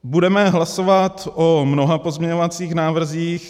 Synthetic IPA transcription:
budɛmɛɦlasovat̪ʔomnoɦapo̞zmɲɛɲovat͡siːxnaːvr̩ziːx

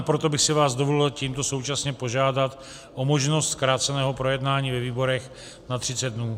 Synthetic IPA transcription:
pɾo̞t̪o̞bɪxsɪvaːzdovolɪlciːmt̪o̞so̞wt͡ʃasɲɛpo̞ʒaːdat̪ | ʔo̞mo̞ʒno̞st̪kɾaːt͡sɛnɛːɦo̞pɾo̞jɛdnaːɲiːvɛviːbo̞ɾɛx | nat̪r̝̥ɪt͡sɛd̪̚dnuː

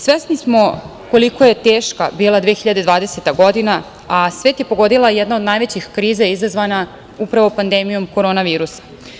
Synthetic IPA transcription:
sʋesnismo̞ | ko̞liko̞je̞t̪eːʃkabiːlˠad̪ʋeːxiʎad̪e̞d̪ʋaːd̪e̞set̪aɡo̞d̪ina | asʋe̞ːt̪je̞po̞ɡo̞d̪ilˠajɛd̪nao̞d̪naːjʋet͡ɕixkɾiːzajizazʋana | upɾaʋopand̪emijo̞mko̞ɾo̞ːnaʋiːɾusḁ

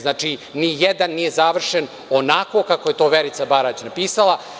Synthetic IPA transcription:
znaːt͡ʂinijɛd̪anːijezaʋr̩ʃen | o̞nako̞kakoje̞t̪o̞ːʋeɾit̪sabaɾat͡ɕnapiːsala

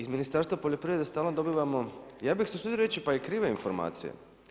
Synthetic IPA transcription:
izminist̪aɾst̪ʋapo̞ʎopɾiʋɾed̪est̪aːlnod̪o̞biːʋamo̞jaːbixsesud̪iɾoɾet͡ɕipajekɾiːʋainfo̞ɾma̰ːt̪sḭjḛ

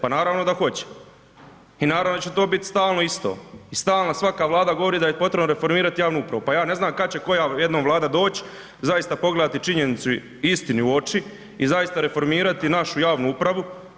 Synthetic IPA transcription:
panaːɾaːʋno̞d̪axo̞t͡ɕe̥ | inaːɾaʋnot͡ɕe̞t̪o̞ːbit̪st̪aːlˠno̞ist̪o̞̰ːist̪aːlˠnasʋakaːʋlˠaːd̪aɡo̞ʋoɾiːd̪ajepo̞t̪ɾebnoɾe̞fo̞ɾmiːɾat̪ijaːʋnuupɾaʋupajaːne̞znaːmkat͡ɕe̞ko̞jajed̪noʋlˠaːd̪ad̪o̞ːt͡ɕi̥ | zajist̪apo̞ɡle̞d̪at̪it͡ʃiɲe̞nit̪su | ist̪iniuo̞t͡ʃi | izajist̪aɾe̞fo̞ɾmiːɾat̪inaʃujaːʋnuupɾaʋu

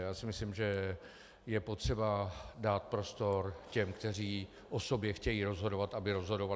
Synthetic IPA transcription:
jaːsɪmɪslimʒɛ | jɛpo̞t̪r̝̥ɛbadaːt̪̚pɾo̞st̪o̞ɾcɛmkt̪ɛr̝iː | ʔo̞so̞bjɛxcɛjiɾo̞zɦo̞do̞vat̪ʔabɪɾo̞zɦo̞do̞va

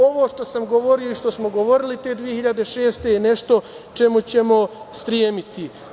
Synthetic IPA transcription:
o̞ʋoːʃt̪o̞samɡoʋo̞ɾio̞iʃt̪o̞smo̞ɡo̞ʋo̞ɾilit̪e̞ːd̪ʋije̞hiʎad̪e̞ʃe̞ːst̪e̞jene̞ʃt̪o̞ | t͡ʃe̞mut͡ɕe̞mo̞st̪ɾjeːmit̪i

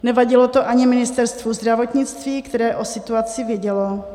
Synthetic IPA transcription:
nɛvaɟɪlo̞t̪oʔaɲɪmɪnɪst̪ɛɾst̪vuzd̪ɾavo̞t̪ɲɪt͡st̪viːkt̪ɛɾɛːʔo̞sɪt̪uat͡sɪvjɛɟɛlo

